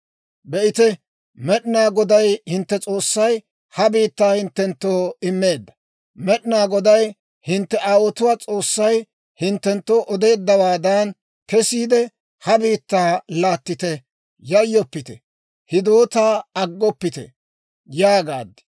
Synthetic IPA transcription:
bɛʔɪt̪ɛ | mɛɗɪnaːɡɔd̪ɐjhɪnt̪ːɛt͡sʼo̞ːsːɐj | hɐbiːt̪ːaːhɪnt̪ːɛnt̪ːoːɪmːe̞ːd̪ːɐ̥ | mɛɗnaːɡɔd̪ɐj | hɪnt̪ːɛʔaːwɔt̪ʊwaːt͡sʼo̞ːsːɐj | hɪnt̪ːɛnt̪ːo̞ːʔɔd̪e̞ːd̪ːɐwaːd̪an | kɛsiːd̪ɛ | hɐbiːt̪ːaːlaːt̪ːɪt̪ɛ | jɐjːɔpːɪt̪ɛ | hɪd̪oːt̪aːɐɡːɔpːɪt̪ɛ̰ | jaːɡaːd̪ɪ̥

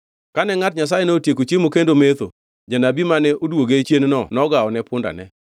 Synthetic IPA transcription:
kanɛŋatɲas̬ajenɛotjekot͡ʃemokendomet̪o̰ | d͡ʒanabimanɛʔodwoɡet͡ʃjennɔnɔɡaɔnɛpʊnda̰nɛ

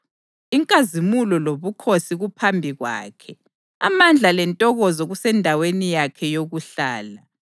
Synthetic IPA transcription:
iŋkʼazimulɔloβukʰosiɣupʰambʱiɣwa̰ːkʰɛ | amand͡ɮʱalɛntʼɔɣɔzɔɣusɛndʱawenijakʰɛjoɣuɬaːla

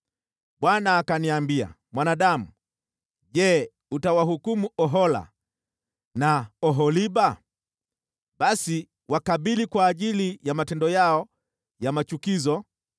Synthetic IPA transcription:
ɓwanaːkaniambia̰ | mwanaɗamu | ʄɛ | utawaɦukumuʔɔɦɔla̰ | naɔɦɔliɓa | ɓasi | wakaɓilikwaːʄilijamatɛndɔjaɔ | jamat͡ʃukizɔ

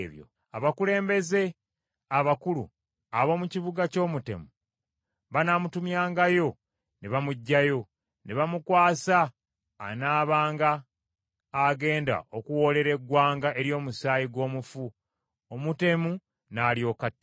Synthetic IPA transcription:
βjo̰ | aβakule̞ːmbe̞ze̞ | aβakulṵ | aβo̞muciβuɡaco̞ːmute̞̰mu | βanamutumjaːŋɡajo̞ | neβamuɟːajo̞ | neβamukwaːsa̰ː | naːβaːŋɡaː | ɡe̞ːnda̰ʔo̞kuwo̞le̞ɾe̞ɡwaːŋɡaʔe̞ɾjo̞ːmusaːjiɡo̞ːmufu | omute̞mu | naːljo̞ːkat

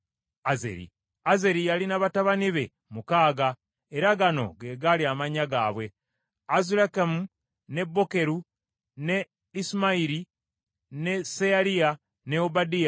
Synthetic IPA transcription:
azḛɾḭ | aze̞ɾijalinaβataβaniβe̞ | mukaːɡa | eɾaɡano̞̰ɡe̞ɡaliamaɲaɡaːβwe̞ | azulakemu | ne̞bːo̞ke̞ɾu | ne̞ | isimaiɾi | ne̞sealia | ne̞obadia

